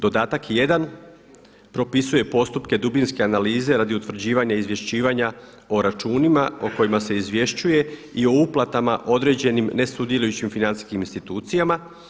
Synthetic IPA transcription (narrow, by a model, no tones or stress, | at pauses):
d̪o̞d̪aːt̪akje̞d̪an | pɾo̞pisuje̞po̞st̪upke̞d̪ubinske̞analiːze̞ɾad̪iut̪ʋɾ̩d͡ʑiːʋaɲaizʋje̞ʃt͡ɕiːʋaɲa | oɾat͡ʃuːnimao̞ko̞jimase̞izʋje̞ʃt͡ɕuje̞io̞uplˠat̪amaʔo̞d̪ɾe̞d͡ʑe̞nimne̞sud̪je̞lʲujut͡ɕimfinansi̥skiminst̪it̪uːt̪sijama